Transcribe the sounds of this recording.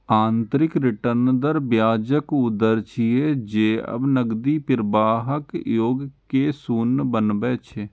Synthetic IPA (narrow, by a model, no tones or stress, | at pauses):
aːnt̪ɾɪkɾɪʈəɾnd̪əɾbjaːd͡ʒəkʊd̪əɾt͡ʃʰied͡ʒeːə̰bnəɡd̪iːpɪɾbaːɦəkjoːɡkeːsuːnbənbɛːt͡ʃʰeː